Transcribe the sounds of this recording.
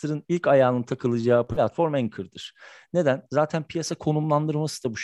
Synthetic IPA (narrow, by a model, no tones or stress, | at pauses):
ɯɾɯnilʲcajaːnɯnt̪ʰakʰɯlˠɯd͡ʒaːpʰlʲat̪fo̞ɾmæŋkʰɯɾd̪ɯɾ̥ne̞d̪ænzaːt̪ʰænpʰijasakʰo̞numlˠand̪ɯɾmasɯd̪abuʃ